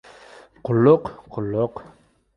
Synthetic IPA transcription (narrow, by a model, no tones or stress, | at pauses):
qʰʊlːʊqqʰʊlːʊq